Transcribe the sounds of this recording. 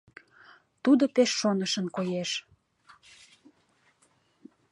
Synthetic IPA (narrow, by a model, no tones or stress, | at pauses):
t̪ud̪opeʃːonəʃənkojeʃ